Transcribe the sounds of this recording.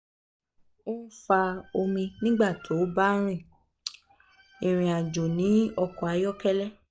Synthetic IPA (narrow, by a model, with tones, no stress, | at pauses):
o˦n̩˦fa˧o˧mĩ˧nĩ˦ɡ͡ba˦˨tʰo˨˦ba˦ɾ̃ĩ˦˨ | e˨ɾ̃ĩ˨a˨d͡ʒo˨nĩ˨˦ɔ˧kɔ˨a˧jɔ˦kɛ˦lɛ˦